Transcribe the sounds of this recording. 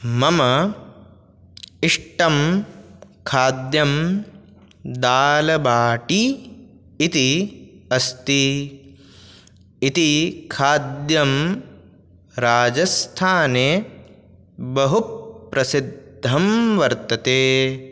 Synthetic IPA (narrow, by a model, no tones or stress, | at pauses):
mɐmɐ | iʂʈɐm | kʰaːd̪jɐm | d̪aːlɐbaːʈiː | t̪iɐst̪i | it̪ikʰaːd̪jɐm | ɾaːd͡ʒɐst̪ʰaːne | bɐɦupːɾɐsid̪ʱɐmʋɐɾt̪ɐt̪eː